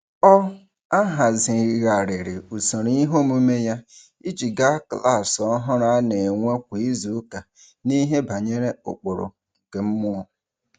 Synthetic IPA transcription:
ɔ˦ | a˦ɦa˨zɪ˨ɣa˨ɾɪ˨ɾɪ˨u˨so˨ɾi˦ɦo˦˨mu˦me˦ja˦ | i˦d͡ʒi˨ɡa˦kla˦˨sɔ˦ɦʊ˦ɾa˦ne˨ŋʷe˦kʷi˨i˦zu˨˦ka˨ | ni˦ɦe˦ba˨ɲe˦ɾe˦ʊ̰˨k͡pʊ˨ɾʊ̰˨ | ŋ̩˨ke˨m̩˦mʊ˦ɔ˨

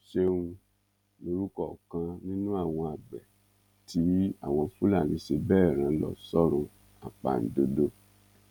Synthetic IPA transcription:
ʃe˧ũ˧ | lo˧ɾu˦kɔ˦˨kã˧nĩ˦nũ˦a˦˨w̃ɔ̃˧a˨ɡ͡bɛ˨ | tʰi˨˦a̰˦˨w̃ɔ̃˧fu˦la˦˨nĩ˨˦ʃe˧bɛ˦˨ɾ̃ã˧˦lɔ̰˦˨sɔ˦ɾ̃ũ˧ | a˨k͡pa̰˨n̩˨do˨do˦

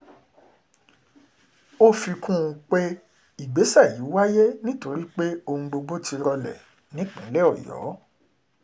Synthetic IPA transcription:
o˦fi˧kʰũ˦˨˧k͡pe˦ | i˨ɡ͡be˨˦sa˦˨ji˨˦wa˦je˦nĩ˦to˧ɾi˦k͡pe˦o˧ũ˧ɡ͡bo˧ɡ͡bo˦ti˧ɾɔ˧lɛ̰˨ | nĩ˨˦k͡pũ˨˦lɛ˦ɔ˦˨jɔ̰˨˦

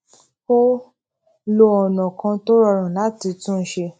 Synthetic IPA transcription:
ko˦ | lo˧ɔ˨nɔ̃˨kã˧to˦ɾɔ˧ɾã˨la˨˦ti˧tũ˦n̩˦ʃe˧

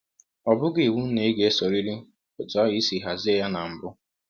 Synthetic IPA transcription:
ɔ˨bʊ˦ɡi˨wu˦n̩˦ne˨i˦ɡe˨˦e˦sɔ˨ɾi˦ɾi˦ | ʊ˨tɔ˦ɣi˦si˨ɦa˨zɪ˦ja˦na˨m̩˨bʊ˦

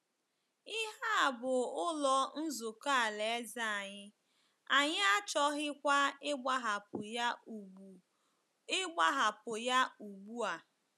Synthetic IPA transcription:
ɪ˦ɦa˦a˨bʊ˨ʊ˦lɔ˦n̩˦zo˨ka˦a˨le˨e˦za˦a˨ɲɪ˦ | a˨ɲɪ˦a˦t͡ʃɔ˦ɦɪ˦kʷa˦a˦ɦa˨ʊ˨j | ɪ˦ɡ͡ba˦ɦa˨pʊ˨ja˦u˨ɡ͡bu˦a˨

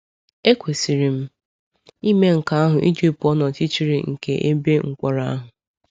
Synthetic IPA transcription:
e˦kʷe˨si˨ɾi˨m̩˦ | i˦me˦ŋ̩˨ka˦a˦ɦʊ˨ʔi˦d͡ʒi˦pɔ˦nɔ˨ti˦t͡ʃi˦ɾḭ˨ŋ̩˨ke˨ʔe˦be˦ŋ̩˨kʷɔ˦ɾa˦a̰˦ɦʊ˨

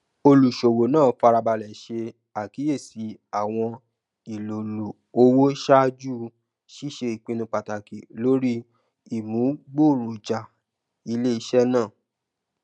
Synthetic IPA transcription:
o˧lu˨ʃo˨wo˨nãː˦˨fa˧ɾa˧ba˧lɛ˨ʃe˧ | a˨ki˨˦je˦˨si˨˦a˨w̃ɔ̃˧ | i˨lo˨lu˨ | o˧˦wo˦ʃa˦d͡ʒu˦ | ʃi˦ʃe˧i˨k͡pĩ˧nũ˧k͡pa˨ta˨ki˨lo˨˦ɾi˦ | i˨mũ˨˦ɡ͡bo˦˨ɾo˨d͡ʒa˨ | i˧le˦i˧ʃɛ˦nãː˦˨

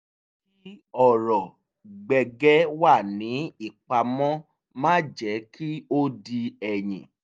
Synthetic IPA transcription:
ki˦ɔ˦˨ɾɔ˨ | ɡ͡bɛ˧ɡɛ˦wa˦˨nĩ˨˦i˦˨k͡pa˧mɔ̃˦ | mãː˦d͡ʒɛ˨˦kʰi˦o˦di˧ɛ˨j̃ḭ̃˨

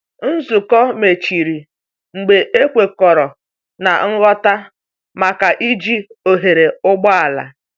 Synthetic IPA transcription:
n̩˦zʊ˨kɔ˦me˨t͡ʃi˨ɾi˨ | ŋ͡m̩˨ɡ͡be˨ʔe˦kʷe˨kɔ˨ɾɔ˨ | na̰˨ŋ̩˦ɣɔ˦ta˦ | ma˨ka˨ʔi˦d͡ʒi˦o˨ɦe˨ɾe˨ʊ˦ɡ͡bɔ˦a˨la̰˨

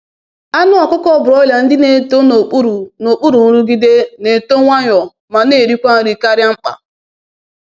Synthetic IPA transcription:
a˦nʊ˦a˨kʷʊ˦kɔ˦˨bʊ˨ɾɔ˦la˨n̩˦dɪ˦ne˨to˦˨˦ɾno˨k͡pu˦ɾu˨ŋ̩˦ɾu˦ɡi˦de˦ne˨to˦ŋʷa˦ɲɔ˨ | ma˨ne˨ɾi˦kʷa˦˨ɾi˨ka˦ɾja˦ŋ͡m̩˦k͡pa̰˨

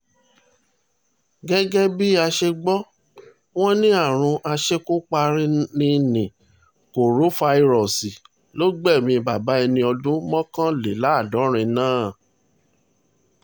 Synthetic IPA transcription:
ɡɛ˦ɡɛ˦bi˦a˧ʃe˧ɡ͡bɔ˦ | w̃ɔ̃˦nĩ˦a˦˨ɾ̃ũ˧ʔa˧ʃe˦ko˦k͡pa˧ɾĩ˦nĩ˧nĩ˨ | ko˨ɾo˨˦fa˧i˧ɾɔ˨si˨ | lo˦ɡ͡bɛ˦˨mĩ˧ba˨ba˨˦ɛ˧nĩ˧ɔ˧dũ˦mɔ̃˦kã˦le˨la˨˦˨dɔ˨˦ɾ̃ĩ˧nãː˦˨

